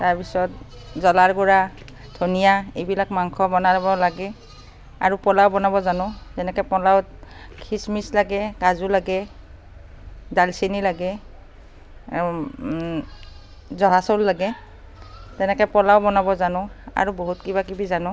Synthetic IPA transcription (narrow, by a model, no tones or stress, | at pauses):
taɹpisɔt | zɔlaɹɡɔɹa | dʱonijaejbilakmaŋkʰɔbɔnabɔlaɡɛ | a̰ɹupɔlawbɔnabɔzanʊ̃zɛnɛkɔpɔlawt | kʰismislaɡɛkazulaɡɛ | dalsenilaɡɛ | zɔɦasɔlːaɡɛ | tɛnɛkɔɛpɔlawbɔnabɔzanʊ̃a̰ɹuboɦutkibakibizanʊ̃